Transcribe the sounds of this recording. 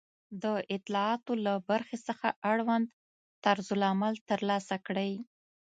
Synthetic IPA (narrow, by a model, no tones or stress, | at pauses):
d̪əʔɪt̪lɑɑt̪olabaɾxesəxaʔaɽwand̪ | t̪aɾzʊlamalt̪əɾlɑsakɽəj